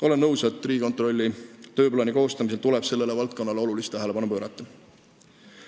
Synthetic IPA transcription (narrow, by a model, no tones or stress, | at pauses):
o̞le̞nːɤwset̪ːˑriːikot̪ˑro̞lʲːit̪ø̞ːplɑːniko̞ːst̪ɑmise̞lt̪uleb̥se̞lːe̞le̞vɑlt̪̚ko̞nːɑleo̞lulist̪æɦele̞bɑnupøːɾɑt̪ːˑɑ